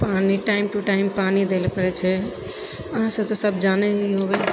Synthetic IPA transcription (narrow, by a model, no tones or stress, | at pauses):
paniʈaɪmʈuʈaɪmpanid̪elepəɾɛt͡ʃʰɛ | əɦãsə̃t̪ɔsəbʱd͡ʒanɛiɦobɛ